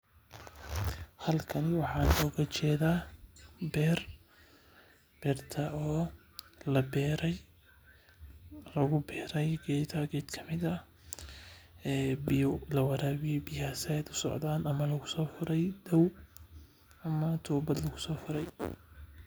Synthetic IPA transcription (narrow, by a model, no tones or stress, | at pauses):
hɐlkʰɐnɪwɑħɑːnɔːɣɐt͡ʃɛːðaːbɛːr | b̥ɛːrt̪ʰɐɔː | lɐbɛːɾɛj | lɐɣʊbɛːɾɛjɡɛt̪ʰɐɡɛːd̪kʰɐmɪðɐ | ɛːbɪjɔlɐwɐɾaːβɪjɛbɪjaːsɛd̪ʊsɔ̰ʕd̪aːnɐmɐlɐɣʊsɔːfʊɾɛjd̪ɐw | ɐmɐt̪ʰuːbɐd̪lɐɣʊsɔːfʊɾɛj